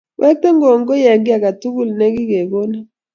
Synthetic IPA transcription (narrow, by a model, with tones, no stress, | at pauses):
wʔɛ˦k̚te˦ŋɡo˨ŋɡo˦ja˨ŋɡi˦a˨ka˨tu˦ɡu˦˨lne˦ɡi˦ɡe˨ɡo˦na˦